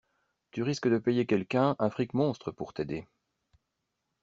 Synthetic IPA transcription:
t̪yʁiskəd̪əpejekʲɛlkʲɛ̃ʔɛ̃fχikmɔ̃st̪χəpuʁt̪ed̪e

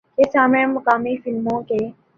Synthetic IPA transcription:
kesaːmẽmʊkaːmifɪlmõkeː

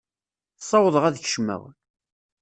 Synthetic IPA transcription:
θsˤːɑwəðˤəʁæðç̥ʃmæ̰w̰n

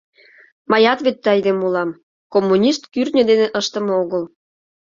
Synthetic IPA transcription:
mɑjɑt̪βet̪ːɑjd̪emulɑm | komːunʲiʃt̪kyrnʲə̆d̪eneʔəʃt̪ə̆moɣəl

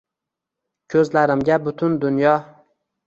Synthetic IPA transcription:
kʲʰɵzlaɾɪmɡʲabʊt̪ʰʊnd̪ʊnjɒ

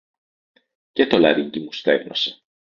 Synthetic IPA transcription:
cet̪o̞lɐɾiɲɟimust̪e̞vnose̥

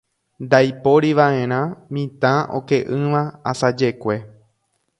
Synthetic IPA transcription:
nd̪ajpo̞ɾiʋaʔẽ̞ɾ̃ãmĩt̪ão̰ke̞ʔɨ̃ʋãasad͡ʒe̞kʷe̞

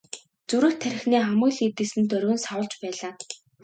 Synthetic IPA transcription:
t͡suɾɘ̆xt̪ʰæɾ̆ʲxneːχamʊ̆ːɮit̪̚ĕsɘ̆nt̪œɾɣɵ̆nsawə̆ɮt͡ɕpæːɮaː

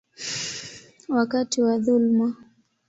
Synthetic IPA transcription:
wakatiwaðulma

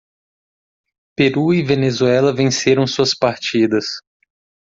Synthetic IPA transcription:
peɾuivenezuɛlɐvẽseɾɐ̃w̃suɐspaɾt͡ʃid̪ɐs

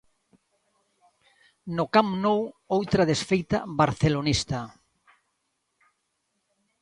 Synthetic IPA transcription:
nʊkamnowowt̪ɾaðesfejt̪a̰βaɾθelonist̪a

